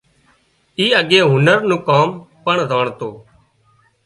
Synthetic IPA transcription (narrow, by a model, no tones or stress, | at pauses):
iːəɠẽːɦʊnəɾnũːkaːmpəɳzaːɳt̪oː